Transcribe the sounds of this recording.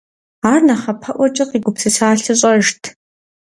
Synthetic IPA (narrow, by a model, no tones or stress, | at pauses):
aːrnɐχɐpʰɐʔʷɔt͡ʃʼɪqiːɡʷʊpsɨsaːɬɨɕʼɐʒtʰ